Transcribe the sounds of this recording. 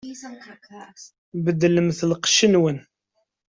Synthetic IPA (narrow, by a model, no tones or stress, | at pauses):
bəd̪ːləmθəlqʃənwən